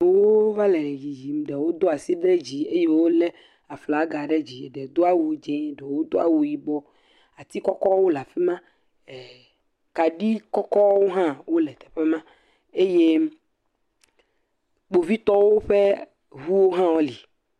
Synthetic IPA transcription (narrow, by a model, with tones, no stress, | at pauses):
wo˦va˦lɛ˨ji˨d͡ʒi˨m˨ɖɛ˨wo˦d̪o˦a˨si˦ɖɾe˦d͡ʑi˨e˦je˦wo˦lɛ˦ | a˨fla˨˦ɡa˨ɖe˦d͡ʑi˨ɖɛ˨d̪o˦a˦wu˨d͡ʒɛ̃˦˨ɖɛ˨wo˦d̪o˦a̰˨wu˨ji˨ɡ͡bɔ˦ | a˨t̪i˦kɔ˦kɔ˦wo˦la˨fi˦mã˦˨ | ka˨ɖi˦kɔ˦kɔ˦wo˦ɦã˦wo˦lɛ˨t̪ɛ̥˨ɸe˦mã˦ | e˦je˦ | k͡po˨vi˦t̪ɔ˦wo˦ɸe˦ | ɦu˦wo˦ɦã˦wo˦li˨